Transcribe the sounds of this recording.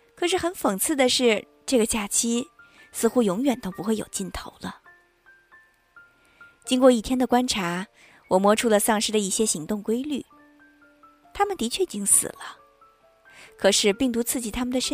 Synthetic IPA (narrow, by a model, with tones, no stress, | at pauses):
kʰɤ˨˩ʂɻ̩˥˩xə˧˥nfɤ˨˩ŋt͡sʰɹ̩˥˩d̪ə˩ʂɻ̩˥˧ | ʈ͡ʂɤ˥˩ɡə˩t͡ɕja˥˩t͡ɕʰi˥ | sɹ̩˥˧xu˥jʊ˧˥ŋɥɛ˨˩nt̪o˥ʊpu˧˥xwe˥˩ɪjo̰˨˩ʊt͡ɕi˥˩nt̪ʰo˧˥ʊlə˧ | t͡ɕi˥ŋkwɔ˥˧i˥˩t̪ʰjɛ˥nd̪ə˨kwa˥nʈ͡ʂʰa˧˥ | wɔ˨˩mwɔ˧˥ʈ͡ʂʰu˥lə˨˧sɑ˥˩ŋʂɻ̩˥d̪ə˨˧i˥˩ɕjɛ˥ɕi˧˥ŋt̪ʊ˥˩ŋkwe˥ɪly̰˥˩ | t̪ʰa˥mə˨nt̪i˧˥t͡ɕʰɥɛ˥˩i˨˩t͡ɕi˥ŋsɹ̩̰˨˩lə˦ | kʰɤ˨˩ʂɻ̩˥˧pi˥˩ŋt̪̬u˧˥t͡sʰɹ̩˥˩t͡ɕi˨˩t̪ʰa˥mə˨nd̪ə˩ʂə˥